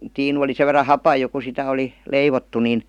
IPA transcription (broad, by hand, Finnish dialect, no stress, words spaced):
tiːnu oli seʋ̆ ʋerːɑ hɑpɑj jo ku sitæ oli leiʋotːu nin